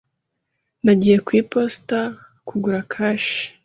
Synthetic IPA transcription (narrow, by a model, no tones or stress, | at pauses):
maɟije̞kwiːpo̞sta | kuɡuɾakʰaʃi̥